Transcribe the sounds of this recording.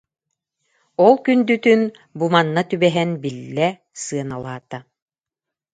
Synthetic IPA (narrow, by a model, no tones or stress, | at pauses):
ɔlˠkynd̪yt̪yn | bumanːat̪ybɛɦɛnbilːɛ | sɯɐnalˠaːt̪a